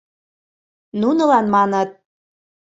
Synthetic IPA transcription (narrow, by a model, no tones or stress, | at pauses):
nunɤ̆lɑnmɑnɤt̪̚